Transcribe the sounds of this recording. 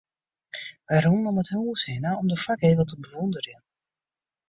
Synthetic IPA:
ʋajrɔnənɔməthuːshɪnaɔmdəfakɦejvəlˠtəbəʋɔndərən

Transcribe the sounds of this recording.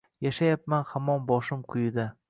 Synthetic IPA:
jaʃajap̚manhamɒnbɒʃɪmqʰʊjɪd̪a

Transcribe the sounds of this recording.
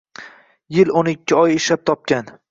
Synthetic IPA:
jɪlonɪkʲʰːɪɒjɪʃlap̚t̪ʰɒp̚kʲan

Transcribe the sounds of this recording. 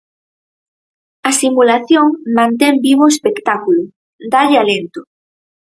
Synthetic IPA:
asimulaθjoŋmãnt̪ɛmbiβoespekt̪akulo | d̪aʎɪalent̪ʊ

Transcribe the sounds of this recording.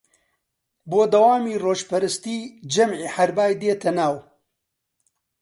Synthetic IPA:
boːd̪ɐwaːmiːroːʒpɐɾɨst̪iːd͡ʒɐmʕiːħɐɾbaːjd̪eːt̪ʰɐnaːw

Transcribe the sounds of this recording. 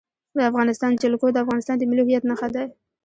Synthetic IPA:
d̪əafɣɑnɪst̪ɑnd͡ʒɪlkod̪əafɣɑnɪst̪ɑnd̪əmɪlihɪjat̪naxad̪aj

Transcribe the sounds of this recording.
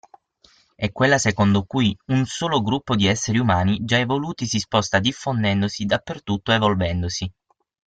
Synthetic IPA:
ɛkːwelːasekond̪okujunsoːloɡɾupːod̪iɛsːeɾiumaːnid͡ʒaɛvoluːt̪isispɔst̪ad̪ifːond̪ɛnd̪osid̪apːert̪ut̪ːoevolvɛnd̪osi

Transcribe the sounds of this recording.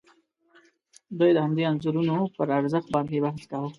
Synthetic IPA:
d̪ojd̪əhamd̪ianzuɾunopəɾaɾzəxt̪̚bɑnkebaɦskaɦo

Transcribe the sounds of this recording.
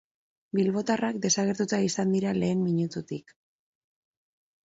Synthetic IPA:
bilβo̞t̪arak̚d̪e̞saɣe̞ɾt̪ut̪aisand̪iɾale̞ːmmiɲut̪ut̪ik

